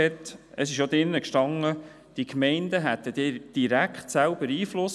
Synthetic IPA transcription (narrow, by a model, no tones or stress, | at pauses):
ɛt̪ | əsɪʃjod̥̪ɪnːəkʃtɑŋːə | d̥ikmɛɪnd̪əɦæt̪ːəd̥d̥iɾækχtsælb̥əɾiːflʊs